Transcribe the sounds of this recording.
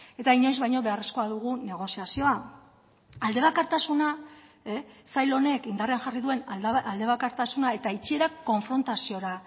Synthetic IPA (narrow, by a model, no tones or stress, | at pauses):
e̞t̪aiɲo̞jzβajɲo̞βe̞aresko̞aðuɣ̞une̞ɣ̞o̞siasio̞a | ald̪e̞β̞akaɾt̪asuna | esajlo̞ne̞kind̪areanʝariðue̞nald̪e̞βakaɾt̪asunae̞t̪ait͡ʃie̞ɾakːo̞ɱfɾo̞nt̪asio̞ɾa